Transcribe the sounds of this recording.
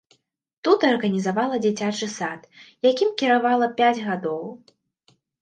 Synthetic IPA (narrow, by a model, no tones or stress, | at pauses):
t̪ut̪ɐrɣɐnʲizavalˠɐd͡zʲit͡sʲat͡ʂɨsat̪jakʲimkʲiɾavalˠɐpʲad͡zʲɣad̪ɔw